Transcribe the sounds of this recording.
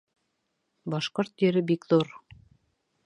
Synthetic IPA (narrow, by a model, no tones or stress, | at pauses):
bɑʃqoɾt̪jɵ̆ɾɘbikðuɾ